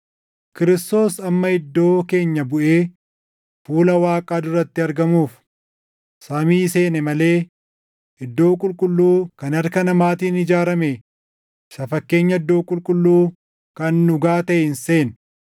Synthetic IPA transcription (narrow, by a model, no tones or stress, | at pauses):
kɪɾɪst̪o̞ːsɐmːɐɪd̪ːo̞ːke̞ːɲːɐbʊʔe̞ː | fuːlɐwaːkʼaːd̪ʊɾɐt̪ːɪɐɾɡɐmuːf | samiːɪse̞ːnɛmɐle̞ː | ʔɪd̪ːo̞ːkʼʊlkʼʊlːuːkɐnɐɾkɐnɐmaːt̪iːnɪd͡ʒaːɾɐme | ɪsɐfɐkːe̞ːɲːɐɪd̪ːo̞ːkʼʊlkʼʊlːuː | kɐnːʊɡaːt̪ɐʔɪɪnse̞ːn